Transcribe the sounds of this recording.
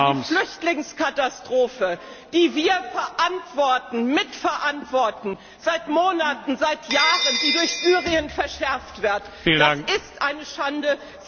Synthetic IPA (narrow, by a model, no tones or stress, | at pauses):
iflʏçtlɪŋskʰatastʁ̥oːfə | d̥iːviːɐfɛɐʔantv̥ɔɐtn̩mɪtfɛɐʔantv̥ɔɐtn̩ | zaɪtmoːnatn̩zaɪtʰjaːʁəndiːdʊɐçz̥yːʁiənfɛɐʃɛɐftv̥ɪɐt | fiːd̥aasɪstʔaɪnəʃandə